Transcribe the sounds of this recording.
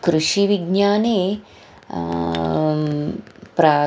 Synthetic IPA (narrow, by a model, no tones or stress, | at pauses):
kɾuʂiʋiɡɲjaːneː | pɾaː